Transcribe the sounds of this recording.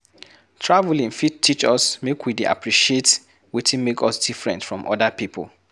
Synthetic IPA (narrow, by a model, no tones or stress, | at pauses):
tʰɹavlĩŋfitʰit͡ʃɔsmekwideʔa̰pɹiʃiet | witʰĩnmekɔsdifɹɛ̰̃ntfɹɔ̃mʔɔ̰dəpipʰə̰l